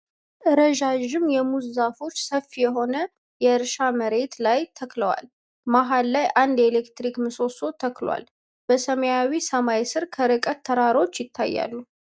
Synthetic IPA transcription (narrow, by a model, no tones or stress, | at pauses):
ʔɨɾəʒaʒɪmjɛmuzzafo̞t͡ʃːsəfːijɛɦo̞nə | jɛɨɾʃaməɾe̞t̪lajt̪ʰəkləwa̰l | maɦalːajʔand̪e̞lekt̪ɾikmɨso̞so̞t̪ʰəklwa̰l | b̥əsəməjawisəmajsɨɾkʰəɾɨkʼət̪ʰːəɾaɾo̞t͡ʃːjɪt̪ʰːa̰jːa̰lːu